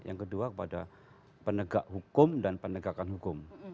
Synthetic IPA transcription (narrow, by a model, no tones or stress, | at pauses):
ja̰ŋkəduakəpada | pənəɡaʔɦukʊmdanpənəɡakanɦukʊm